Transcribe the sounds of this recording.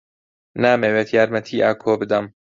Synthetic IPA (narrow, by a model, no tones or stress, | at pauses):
naːmeːweːt̪ʰjaːɾmɐt̪ʰiːʔaːkʰoːbɨd̪ɐm